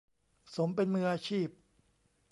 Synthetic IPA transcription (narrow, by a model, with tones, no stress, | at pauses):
so˩˦mpe˧nmɯ˧ʔaː˧t͡ɕʰiː˥˩p̚